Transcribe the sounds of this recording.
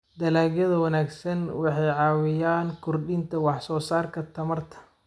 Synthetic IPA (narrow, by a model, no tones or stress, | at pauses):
d̪ɐlaːɡjɐðɐwɐnaːɡsɐnwɑħɑjʕɑːwɪjaːnkʰʊrɖɪnt̪ʰɐwɑħsɔːsaːrkʰɐt̪ʰɐmɐrt̪ʰɐ̥